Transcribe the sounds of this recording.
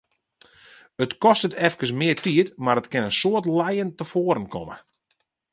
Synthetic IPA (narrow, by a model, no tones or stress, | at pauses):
ətkɔstətʰɛfkəsmɪətiətmaɾətkɪnənsoərtlɛjəntəfoːəɾənkʰɔ̰mə̰